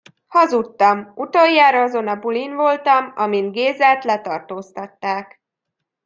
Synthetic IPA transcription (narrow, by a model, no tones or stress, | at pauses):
hɒzut̪ːɒmut̪ojːaːɾɒɒzo̞nɒbulinvo̞lt̪ɒmɒ̰mind̪ɡeːzɛːt̪lɛt̪ɒrt̪oːst̪ɒt̪ːaːk